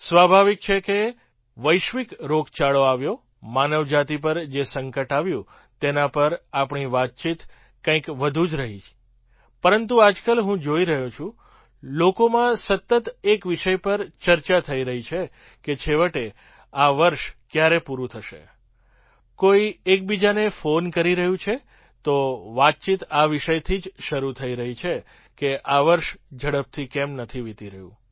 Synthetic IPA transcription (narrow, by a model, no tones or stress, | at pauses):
sʋabʱaʋik̚t͡ʃʰeke | ʋəjʃʋikɾokt͡ʃaɭoaʋjo | manəʋd͡ʒat̪ip̬əɾd͡ʒesəŋkəʈaʋjũ | t̪enapəɾapɳiʋat̪̚t͡ʃit̪ | kə̃ĩkʋəd̪ʱũd͡ʒɾəɦi | pəɾənt̪uad͡ʒkəlɦũd͡ʒoiɾəɦũt͡ʃʰũ | lokomãsət̪ːət̪ekʋiʃəjpəɾt͡ʃəɾt͡ʃat̪ʰəiɾəɦit͡ʃʰe | ket͡ʃʰeʋəʈe | aʋəɾʃkjaɾepuɾũt̪ʰəʃḛ | koiek̚bid͡ʒanefonkəɾiɾəɦũt͡ʃʰe | t̪oʋat̪̚t͡ʃit̪aʋɪʃəjt̪ʰid͡ʒʃəɾut̪ʰəiɾəɦit͡ʃʰe | keʔaʋəɾʃd͡ʒʱəɽəp̚t̪ʰikɛmnət̪ʰiʋit̪iɾəɦjṵ̃